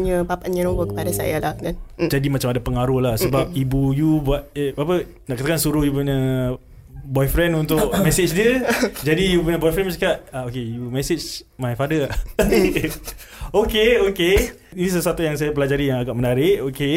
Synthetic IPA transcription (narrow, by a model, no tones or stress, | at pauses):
ɲəpapanɲənõbəkə̥padasa̰jalahdand͡ʒadimat͡ʃamadapəŋaɾulahsəbap̚ibujubuat̪̚bapə | naʔkat̪akansuɾʊhjupuɲa | bɔjfɾɛnunt̪ʊʔmɛsɪt͡ʃdiəd͡ʒadijupuɲabɔjfɾɛnməsəkaʔ̪aokejumɛsɪt͡ʃ | majfadəʔ | okeoke | inis̬əsuat̪ujaŋs̬ajap̬əlad͡ʒaɾijaŋaɡaʔmənaɾɪʔoke